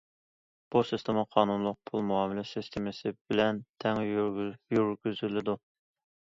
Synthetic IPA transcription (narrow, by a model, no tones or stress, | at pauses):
b̥usist̪ʰɪmɑqʰɑːnunlˠʊq̚pʰulˠmuɑːmɪlɪsist̪ʰɪmɪsɨbɪlɛnt̪ʰɛŋjyɾɡʲyzylɪd̪u